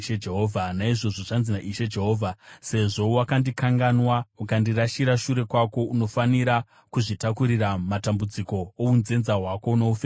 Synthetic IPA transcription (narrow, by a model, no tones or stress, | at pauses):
ʃed͡ʒeɦoːvʱanaiʐo̞ʐo̞ʐanzinaʔiʃed͡ʒe̞ɦo̞ːvʱase̞ʐo̞wakandikaŋɡanwaukandiraʃiɾaʃuɾe̞kwako̞uno̞faniɾa | kuʐitakuɾiɾamatambud͡ziko̞ounze̞nzaɦwako̞uno̞ufe